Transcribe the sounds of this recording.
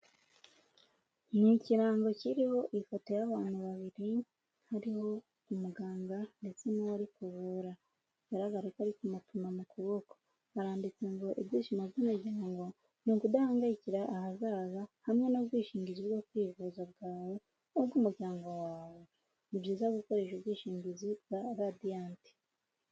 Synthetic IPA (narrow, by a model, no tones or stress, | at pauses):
niciɾaːŋɡo̞ciɾiho̞ʔifoto̞jaβaːn̥huβaβiɾi | haɾiho̞ | umuɡaːŋɡande̞t͡se̞nawaɾikuβuɾa | βaɾaɡaɾekaɾikumutumamukuβoko̥ | aɾaːndit͡se̞ŋɡo̞ʔibɟiːʃimabzamaɾɟaːŋɡo | nikudahaːŋɡaiciɾaʔːhazaːzahamŋe̞nabɡiːʃiːɲɟiziβɡokwiːvuːzabɡaːwo | obɡuːmuɾɟaːŋɡowaːβo̞ | nibɟiːzaɡuko̞ɾe̞ːʃobwiːʃiːɲɟizibɡaɾadiaːnti̥